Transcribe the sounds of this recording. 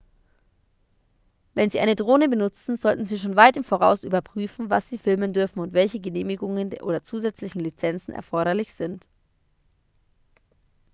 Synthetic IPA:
vɛnziːʔaɪnədʁoːnəbənʊt͡sn̩zɔltn̩ziːʃoːnvaɪtɪmfoʁa̰ʊsʔy̰ːbɐpʁ̥yːfn̩vasz̥iːfɪlməndʏɐfn̩ʊntv̥ɛlçəɡəneːmɪɡʊŋəndʔo̰ːdɐt͡suːzɛt͡slɪçn̩lit͡sɛnt͡sn̩ʔɛ̰ɐfɔɐɾɐlɪçz̥ɪnt

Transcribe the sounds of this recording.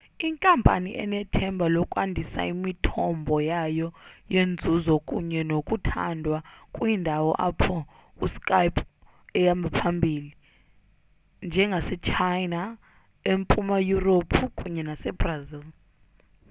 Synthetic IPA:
iŋkʼampʼa̰niʔɛ̰nɛtʰɛmbʱalɔkʼwandʱisa̰imitʰɔmbʱɔjajɔjend͡zʱuzɔkʼuɲɛnokʼutʰa̰ndʱwakʼwindʱawɔ̰ʔapʰɔ | uskʼajpʰʼ | ɛjambʱapʰambʱiːli | nd͡ʒʱɛŋɡʱasɛt͡ʃʰajna | empʼumajuropʰukʼuɲɛnasɛbrazil

